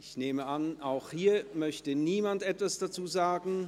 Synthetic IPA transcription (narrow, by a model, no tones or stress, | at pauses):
ɪççneːməʔanʔaʊxhiːɐmœçtəniːmantʔɛtv̥asd̥at͡suːzaːɡŋ̩